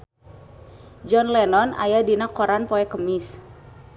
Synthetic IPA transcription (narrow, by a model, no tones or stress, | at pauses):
d͡ʒɔnlɛnɔna̰jadinakɔɾanpɔɛkəmis